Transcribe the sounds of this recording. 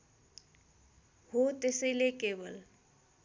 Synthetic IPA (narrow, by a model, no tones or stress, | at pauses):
hot̪esʌjlekebʌl